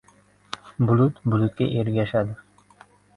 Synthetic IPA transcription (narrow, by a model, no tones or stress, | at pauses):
bʊlˠut̪bʊlˠut̪̚kʲa̰ʔeɾɡʲaʃad̪ɪ